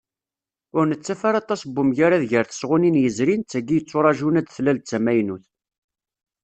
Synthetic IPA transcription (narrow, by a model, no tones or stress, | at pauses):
ʊɾnət͡sːæfaɾɑt̪ˤɑsbːumʝaɾaðʝəɾθə̥sʁʊninjəzɾint͡sːæɡːijət͡sˤːoɾˤɑʒunæd̪θlælt͡sːæmæjnuθ